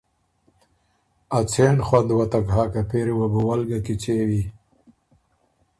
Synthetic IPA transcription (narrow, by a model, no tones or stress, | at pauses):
at͡sʰeɳxwand̪wat̪akɦaːkapeɾewabuwalɡakit͡sewi